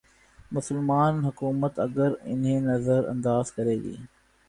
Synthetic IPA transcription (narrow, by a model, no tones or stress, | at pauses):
mʊsəlmaːnɦʊkuːmət̪ɐɡəɾɪ̰nɦẽnɐzəɾɐ̰̃nd̪aːzkɐɾeːɡḭː